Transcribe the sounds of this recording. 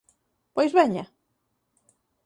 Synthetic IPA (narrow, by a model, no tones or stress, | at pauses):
pojzβeɲɐ